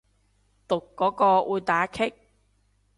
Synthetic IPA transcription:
t̪ʊ˨kːɔː˨˥kɔː˧ʔuː˨˧jt̪aː˨˥kʰɪ˥k̚

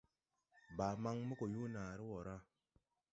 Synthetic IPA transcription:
ba˨ma˦ŋmə˦ko˨ju˦naː˨ɾi˦wo˨ɾa˦

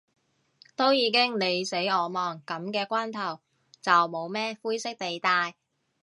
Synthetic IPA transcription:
t̪o˥wjiː˨˧kɪ˥ŋne˨˧jse˨˥jɔː˨˧mɔː˨˩ŋkɐ˨˥mkɛː˧kʷaː˥nt̪ʰɐ˨˩w | t͡sɐ˨wmo˨˧wmɛː˥fuː˥jsɪ˥k̚t̪e˨jt̪aː˧j

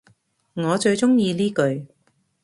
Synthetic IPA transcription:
ŋɔː˨˧t͡ʃɵ˧ɥt͡sʊ˥ŋjiː˧liː˥kɵ˧ɥ

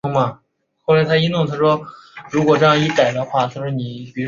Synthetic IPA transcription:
ʊ˥ŋmɐ˨˩ | xo˥˩ʊla˧˥ɪt̪ʰa˥i˥nt̪ʊ˥˧ŋt̪ʰa˥ʂwɔ˥ɻu˧˥kwɔ˨˩ʈ͡ʂɤ˥˧jɑ˥˧ŋi˥˩k̪a˨˩ɪd̪ə˧˦xwa˥˩t͡ɕ̪ʰa˥˧ʂɻ̩˥˩ni˨˩pi˧˥

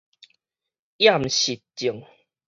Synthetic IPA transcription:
ja˥˨mɕi˨t̚t͡ɕi˨˩ŋ

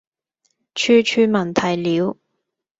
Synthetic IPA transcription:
t͡ʃʰyː˧t͡ʃʰyː˧mɐ˨˩nt̪ʰɐ˨˩jliː˨˥w

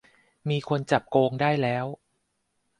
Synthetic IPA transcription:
miː˧kʰo˧nt͡ɕa˨˩p̚koː˧ŋdaː˥˩jlɛː˦˥w

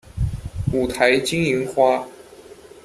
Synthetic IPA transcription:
u˨˩t̪ʰa˧˥ɪt͡ɕi˥ŋi˧˥ŋxwa˥

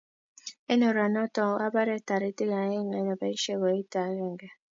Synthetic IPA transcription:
ɛ˦nɔ˨ɾa˨nɔ˦tɔ˨˦a˦ba˦ɾɛ˦˨ta˨ɾi˦te˦ɣa˨˦e˦ŋɛ˨˦nɔ˨ba˨˦i˦ʃe˦wɔ˨˦i˦ta˨˦ɣɛ˨ŋɡa˨

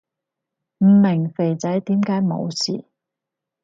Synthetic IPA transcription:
m̩˨˩mɪ˨˩ŋfe˨˩jt͡sɐ˨˥jt̪iː˨˥mkaː˨˥jmo̰˨˧wsḭː˨˩

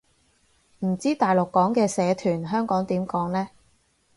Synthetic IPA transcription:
m̩˨˩t͡siː˥t̪aː˨jlʊ˨kːɔː˨˥ŋkɛː˧sɛː˨˧t̪ʰyː˨˩nɦœː˥ŋkɔː˨˥ŋt̪iː˨˥mkɔː˨˥ŋlɛː˥

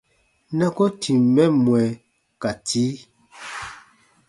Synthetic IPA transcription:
nɛ˦ko˦tʰi˨mːɛ˦mwɛ˨ | ka˨tʰi˦

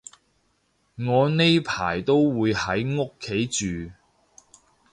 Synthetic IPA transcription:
ŋɔː˨˧ne˥jpʰaː˨˩jt̪o˥wwuː˨˧jhɐ˨˥jŋo˥kʰːe˨˥jt͡ʃyː˨

